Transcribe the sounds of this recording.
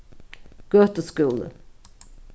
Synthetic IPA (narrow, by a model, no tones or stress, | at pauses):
ɡ̥œt̪əskʉːlə̰